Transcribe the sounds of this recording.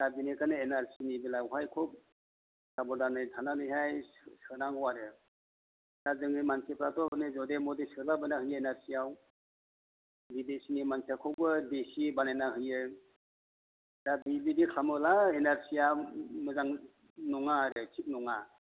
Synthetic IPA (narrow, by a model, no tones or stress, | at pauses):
dabinekanɯenaɾsinibilaɦajkʰup̚ | sabɔdanɯjtʰananɯjɦajsɯnaŋɔwaɾɯ | dazɯŋimansepɾatɔbɯnɯzɔdemɔdisɯlabɯnaɦɯjɯenaɾsiaw | bidesinimansekʰɯwbɯdesibanajnahɯjɯ | dabibidikʰlamɯlaenaɾsiamɯzaŋ | nɔŋaɾɯt͡ʃʰit̚nɔŋa